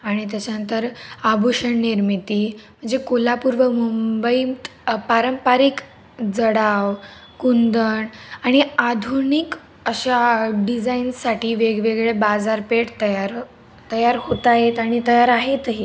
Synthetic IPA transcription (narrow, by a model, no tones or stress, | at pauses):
aɽ̃it̪̬jat͡ɕjanənt̪əɾabuɕəɳniɾmit̪iːm̤əɳd͡zekolapuɾʋəmumbəipaɾəmpaɾik | d͡zəɽaʋ | kund̪əɳaɽ̃iad̪ʱunik | əɕaɖid͡zainsaʈiːʋeɡʋeɡɭebad͡zaɾpeʈt̪əjaɾ | t̪əjaɾhot̪aɦet̪aɽ̃it̪əjaɾaɦet̪ɦi